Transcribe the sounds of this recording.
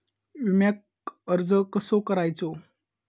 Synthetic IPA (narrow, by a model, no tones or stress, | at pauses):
ʋimjak̚ | əɾd͡zəkəsokəɾajt͡so